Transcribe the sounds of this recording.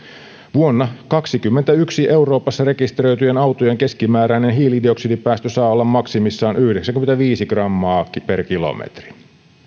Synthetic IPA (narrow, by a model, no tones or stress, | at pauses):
ʋuonːɑkɑksikymːent̪æyksiʔe̞wɾo̞ːpɑsːɑɾe̞kist̪eɾø̞jt̪yjenɑwt̪ojeŋke̞skimæːɾæinenɦiːlidio̞ksidipæːst̪øsɑːolːɑmmɑksimisːɑːnʔyhdeksæŋkyment̪æʋiːsiɡ̥rɑmːɑːkiperkilo̰mḛt̪ri̥